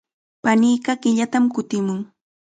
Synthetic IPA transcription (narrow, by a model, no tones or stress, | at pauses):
paniːɢɑɢɪʎat̪amkʊt̪ɪmʊŋ